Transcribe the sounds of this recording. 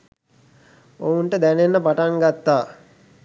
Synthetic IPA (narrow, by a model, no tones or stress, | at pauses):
ounʈəd̪ænenːəpaʈaŋɡat̪ːaː